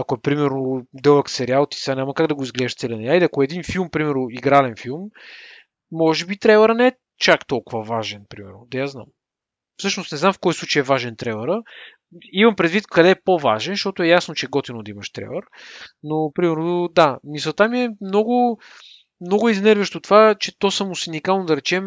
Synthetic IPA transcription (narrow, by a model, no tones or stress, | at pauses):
ɐkoɛpɾimɛɾnod̪ɛlˠəksɛɾialˠt̪i̥sanʲaməkaɡd̪ɐɡoizɡlɛd̪ʃt̪sɛlʲinɛjaiɐkoɛd̪infilˠmpɾimɛɾnoiɡɾalɛnfilˠmː | ɔʒɛbit̪ɾɛvˠɛɾənɛɛ | t͡ʃakt̪ɔlˠkʊvəvaʒɛnpɾimɛ̰ɾnod̪ɐjazna̰m | fsɤʃnost̪nɛzamfkɔjslˠut͡ʃəjɛvaʒɛnt̪ɾɛlɛɾə | imɐmpɾɛd̪vit̪kɐd̪ɛpova̰ʒɛnʃt̪ɔt̪ʊɛjasnot͡ʃɛɡɔt̪inʊd̪ɐimɐʃt̪ɾɛ̰lˠəɾnopɾimɛɾnod̪amisət̪amiɛmnɔɡʊ | mnɔɡʊiznɛɾvəʃt̪ot̪ovat͡ʃɛt̪ɔsɐmʊsinikalˠnod̪ɐɾɛt͡ʃɛm